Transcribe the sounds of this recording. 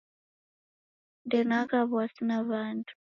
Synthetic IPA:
ndenakaβwasinaβaːntʰu̥

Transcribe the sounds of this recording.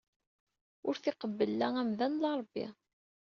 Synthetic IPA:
ʊɾθɪqəbːəlːææmðænlɑɾˤəbːḭ

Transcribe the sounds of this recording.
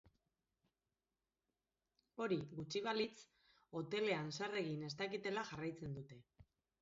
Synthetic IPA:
o̞ɾiɣut͡ʃiβ̞alit͡s | o̞t̪e̞le̞ansare̞ɣine̞st̪akit̪e̞laʝarajt͡se̞nd̪ut̪e̞

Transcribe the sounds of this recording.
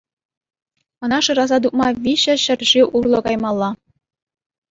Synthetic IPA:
ɤ̆nɑʂɯɾɑzɑd̪uk̚mɑʋʲiɕɘ̆ɕɘ̆rʲʒiʔurlˠɤ̆kɑjmɑlˠːɑ

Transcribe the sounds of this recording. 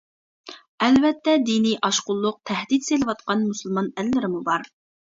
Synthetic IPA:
ɛlvɛt̪ʰːɛd̪inijʔɑʃqʊlˠːʊq̚t̪ʰɛhd̪it̪selɪvɑt̪̚qʰɑnmuslˠmɑnɛlːɪɾɪmubɑɾ

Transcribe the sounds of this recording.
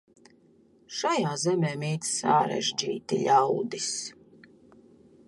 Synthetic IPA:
ʃajaːzɛmeːmiːt̪sa̰ɾɛ̰ʒd͡ʒḭːt̪ḭʎʲawd̪is

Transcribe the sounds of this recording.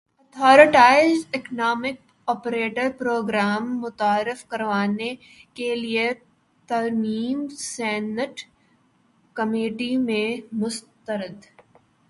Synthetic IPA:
ɔt̪ʰɔːɾɪʈaːɪzɪknaːmɪk̚ | ɔːpɾeːʈəɾpɾoːɡɾaːmːʊt̪aːɾɪfkɐɾʋaːne | kelie | t̪ɐɾmiːmsɛːnəʈ | kɐmeːʈimẽmʊst̪əɾəd̪

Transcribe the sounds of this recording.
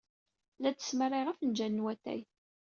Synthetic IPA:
læt͡sːə̥smərˤːiʁæfnd͡ʒænːwæt̪æ̰j

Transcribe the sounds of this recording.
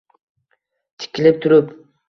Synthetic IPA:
t̪ʰɪ̥kʲɪlɪp̚t̪ʰʊɾʊp

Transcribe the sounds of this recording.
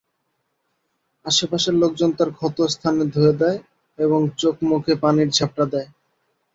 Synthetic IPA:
aʃepaʃeɾlok̚d͡ʑont̪aɾkʰɔt̪ost̪ʰaned̪ʱoed̪ɛe | eβoŋt͡ɕokmukʰepaniɾd͡ʑʰap̚ʈad̪ɛe

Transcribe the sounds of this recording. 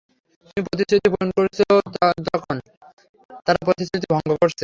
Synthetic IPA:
t̪t̪umipɾot̪̬iot̪iponkoɾet͡ɕʰod͡ʑɔkʰon | t̪aɾapɾot̪isot̪ʰibʱɔŋɡoboɾsʰe

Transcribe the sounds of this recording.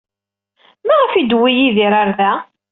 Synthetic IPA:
mæʁəfid̪wijiðiɾaɾðæ

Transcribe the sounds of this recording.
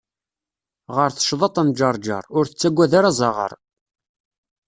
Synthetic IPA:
ʁəɾθə̥ʃðˤɑt̪ˤæmd͡ʒɑɾˤd͡ʒɑ̰ɾˤʊɾθət͡sːæɡʷːæðaɾazˤɑʁə̰ɾˤ

